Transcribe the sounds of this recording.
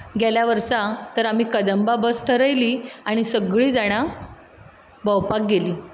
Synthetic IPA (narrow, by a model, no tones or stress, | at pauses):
ɡʱaljaʋəɾsat̪əɾam̤iːkəd̪əmbabəsʈʰəɾəjliːaɽ̃isəɡɭiːd͡zaɽ̃a | bəwpak̚ɡeliː